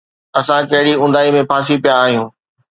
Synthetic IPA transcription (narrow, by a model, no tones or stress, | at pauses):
ɐsãkɐɦɪɽiʊ̃nd̪aːimẽpʰaːs̬ipijaːɦijũː